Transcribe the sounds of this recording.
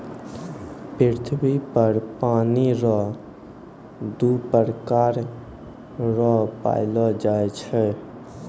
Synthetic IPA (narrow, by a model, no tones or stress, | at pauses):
piɾt̪ʰbipəɾpaniɾɔ | d̪upəɾkaɾ | ɾɔpa̰ɪlɔd͡ʒaet͡ʃʰɛ